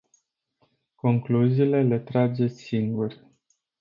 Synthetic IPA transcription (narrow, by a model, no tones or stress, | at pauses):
ko̞ŋkluziːle̞le̞t̪ɾad͡ʒe̞siŋɡur